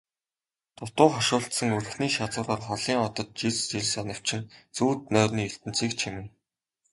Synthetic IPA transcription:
t̪ʰʊt̪ʊːχɔʃʊːɬt̪sə̆ŋɵrɵ̆xniːʃat͡sʊːɾɔːrχɔɮiːŋɔt̪ɞ̆t̪̚t͡ɕiɮt͡ɕiɮsanə̆kt͡ɕʰɪ̆nt͡suːt̪̚nœːrniːɵɬt̪ɘ̆n̥t͡siːk̚t͡ɕʰimɘ̆n

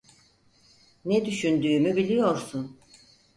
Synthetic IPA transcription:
ned̪yʃynd̪yːmybilʲijo̞ɾsun

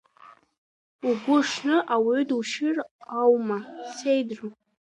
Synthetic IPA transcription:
uɡʷʊʂnɨʔawiduʃɪrawmasejdru

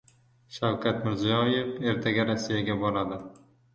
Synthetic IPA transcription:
ʃawkʲʰat̪mɪɾzijɒjefe̞ɾt̪ʰaɡʲaɾasːijaɡʲabɒɾad̪ɪ

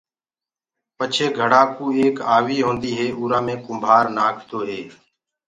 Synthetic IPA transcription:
pət͡ʃʰeːɡʱəɽaːkũːeːkaːʋiːɦõːnd̪iːɦeːʔuːɾãːmẽːkʊmbʱaːɾnaːkʰt̪oːɦeː

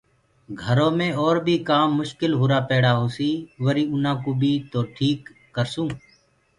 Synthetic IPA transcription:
ɡʱəɾõːmẽɔːɾbʱiːkaːmːʊʃkɪlɦʊːɾaːpɛːɽaːɦoːsiːʋəɾiːʊnãːkuːbʱiːt̪oːʈʰiːkː | əɾsũː

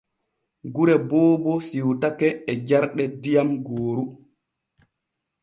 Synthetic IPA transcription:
ɡuɾɛbɔːbɔsiwtakɛːd͡ʒaɾɗɛdijamɡoːɾu

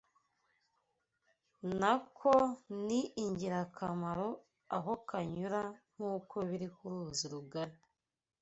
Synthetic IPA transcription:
nakʰoniːɲɟiɾakʰamaɾo̞ | aɦo̞kʰaɲuɾam̥uːko̞βiɾikuɾuːziɾuɡaɾe

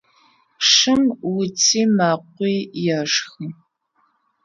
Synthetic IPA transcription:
ʂɨmwʊt͡sʰiːmaːqʷiːjɛʂxɨ

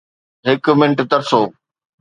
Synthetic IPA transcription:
ɦɪkmɪ̃ɳʈt̪ɐɾsoː

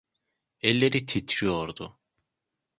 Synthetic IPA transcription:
ɛlʲːeɾit̪ʰit̪ʰɾijoɾd̪ʊ

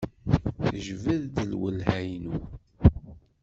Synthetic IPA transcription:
θəʒvəðd̪əlwəlhæjnu

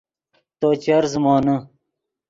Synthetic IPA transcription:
t̪oːt͡ɕɐɾzmɑːnə

